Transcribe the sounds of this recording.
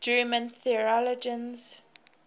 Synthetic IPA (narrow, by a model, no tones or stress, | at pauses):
d͡ʒɜmə̃nθiɹɔlɔd͡ʒə̃nz